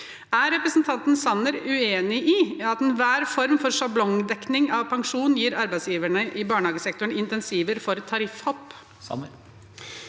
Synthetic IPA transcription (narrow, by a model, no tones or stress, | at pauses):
æɾɛpɾəsnt̪ʰɑnt̪n̩sɑnəɾʉeːnɪʔɪɑt̪ɛnʋæːɾfɔɾmfɔɾʂɑblɔŋd̪ɛknɪŋɑʋpʰɑŋʂuːnnjiːɾɑɾbæɪd̪sjiːʋəɳəʔɪbɑːɳhɑːɡəsɛkt̪ʊɳɪnt̪ɛnsiːʋəɾfɔɾt̪ʰɑɾɪfhɔpː